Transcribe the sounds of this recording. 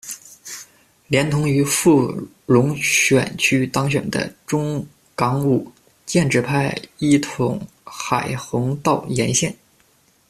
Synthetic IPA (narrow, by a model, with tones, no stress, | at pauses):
ljɛ˧˥nt̪ʰʊ˧˥ŋy˧˥fu˥˩ | ɻʊ˧˥ŋɕɥɛ˨˩nt͡ɕʰy˥t̪ɑ˥ŋɕ̬ɥɛ̰˨˩nd̪ə̰˦ʈ͡ʂʊ˥ŋ | kɑ˧˥ŋu˨˩ | t͡ɕjɛ˥˧nʈ͡ʂɻ̩˥˧pʰa˥˩ɪi˥˩t̪ʰʊ˧˥ŋ | xa˨˩ɪxɤ˧˥ŋt̪ɑ˥˩ʊjɛ˧˥nɕjɛ˥˩n